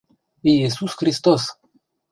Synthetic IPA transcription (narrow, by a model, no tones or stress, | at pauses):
iisuskɾist̪os